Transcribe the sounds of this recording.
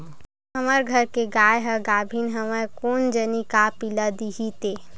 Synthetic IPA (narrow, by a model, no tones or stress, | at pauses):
ɦəməɾɡʱəɾkeɡaːjɦəɡaːbʱinɦɐməɾkoːnd͡ʒənikapilad̪iɦit̪eː